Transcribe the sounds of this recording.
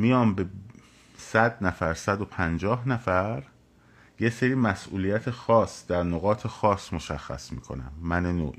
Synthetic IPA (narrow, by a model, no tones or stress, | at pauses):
mijɒːmbe | sæd̪næfæɾsæd̪o̞pʰænd͡ʒɒːɦnæfæɾ | jeseɾiːmæsʔuːlijæt̪ʰexɒːsd̪æɾnoɣɒːt̪ʰexɒːsmo̞ʃæxːæ̰smiːkʰo̞̰næ̰mːænenoːʔi